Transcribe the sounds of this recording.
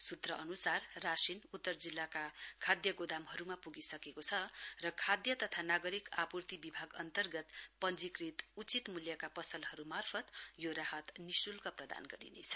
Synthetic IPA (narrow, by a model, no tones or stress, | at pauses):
sut̪rʌʔʌnusarːasinut̪ːʌrd͡zilːakakʰad̪jʌɡod̪amɦʌɾumapuɡisʌkekot͡sʰʌrʌkʰad̪jʌt̪ʌt̪ʰanaɡʌɾikapurt̪ibibʱaɡʌnt̪ʌrɡʌt̪pʌnd͡zikrit̪ut͡sit̪muljʌkapʌsʌlɦʌɾumarpʰʌt̪joɾaɦʌt̪nisulkʌprʌd̪a̰nɡʌɾḭnḛt͡sʰʌ̥